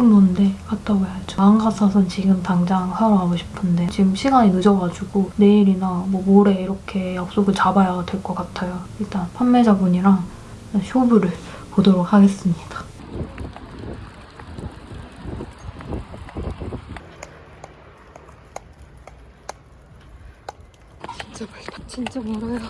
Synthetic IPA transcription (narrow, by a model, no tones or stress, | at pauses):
kɯmonde̞kat͈ʰaɡojat͡ɕɯaŋɡasʰasʰɯnt͡ɕiɡɯmtaŋd͡ʑaŋsʰajoɦaɡoɕʰi̥pʰɯnde̞jot͡ɕimɕʰiɡaɲinɯd͡ʑʌɡad͡ʑuɡone̞iɾinamwʌmoɾe̞iɾʌkʰe̞jak̚s͈oɡɯɭt͡ɕabajadwe̞ɭk͈ʌk͈atʰajoiɭt͈anpʰamːe̞d͡ʑabuɲiɾaŋanɕʰobuɾɯɭpodɯɾokhaɡe̞s͈ɯmɲid̥ḁ | t͡ɕt͡ɕt͡ɕ